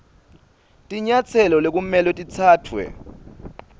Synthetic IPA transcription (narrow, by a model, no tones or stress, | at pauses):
tʼiɲat͡sʰɛlɔlek̬ʼumɛlɔtʼit͡sʰaːtʰwɛ̰